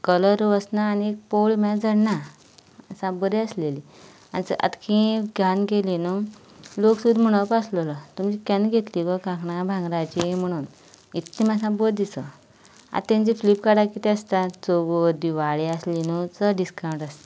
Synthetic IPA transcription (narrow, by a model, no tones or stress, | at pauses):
kələɾʋəsnaːniek̚poɭmãd͡zəɽna | əsãbəɾiəsleli | anit͡sə̰t̪kʰĩɡʱjanɡelinu | loksud̪m̤əɽ̃əpaslələt̪umt͡ɕikanɡʱet̪liʋəkãkɳãbʱãŋɡɾat͡ɕim̤əɽ̃uːn | it̪ːimasãbəd̪isə | a̰t̪ẽɲt͡ɕiflipkaɽakit̪ɛast̪at͡sobod̪iʋaɭiaslinut͡səɖiskawɳʈast̪a